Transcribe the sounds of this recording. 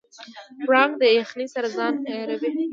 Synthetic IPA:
ɾɑŋɡd̪əexnisaɾazɑnajɑɾawi

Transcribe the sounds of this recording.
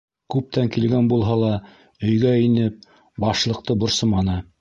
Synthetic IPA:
kʉp̚t̪æŋkilɡænbulˠɦɑlˠɑ | ɵ̆jɡæinɘp̚ | bɑʃlˠɤ̆qt̪ɤbŏɾsɤmɑnɤ

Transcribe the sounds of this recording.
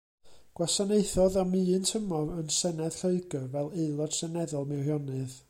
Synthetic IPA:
ɡ̥wasanejθɔðɔmiːntʰəmɔvənsɛnɛð̥ɬoɨɡəvɛlˠeɨlˠɔd̥sɛnɛðɔlˠmɛwhjɔnɨð

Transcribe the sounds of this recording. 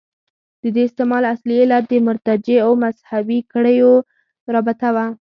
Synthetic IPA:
d̪̥əd̪eɪst̪emɑlasliɪlat̪̚d̪əmʊɾt̪ad͡ʒeawmazhabikaɽəjo | ɾɑbɪt̪awa

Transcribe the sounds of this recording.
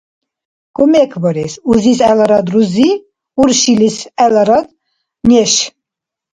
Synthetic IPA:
kʼɔmɛkʰbɔɾɛsuzisɛlaɾad̪ɾuzi | uɾʃilisɛlaɾad̪ | nɛʃ

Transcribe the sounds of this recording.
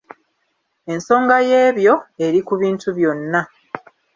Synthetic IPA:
e̞nso̞ːŋɡaje̞ːβjo̞e̞ɾikuβiːntuβjo̞nːa

